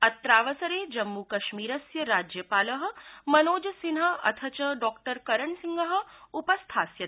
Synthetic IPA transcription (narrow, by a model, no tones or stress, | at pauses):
ɐt̪ɾaːʋɐsɐɾeːd͡ʒɐmːukɐʃmiːɾɐsjɐɾaːd͡ʒjɐpaːlɐɦɐ̆mɐnoːd͡ʒɐsinɦɐ̆ɐ̰t̪ʰɐt͡ʃɐɖɔːkʈəɾkɐɾɐɳsiŋɡɐɦɐ̆upɐst̪ʰaːsjɐ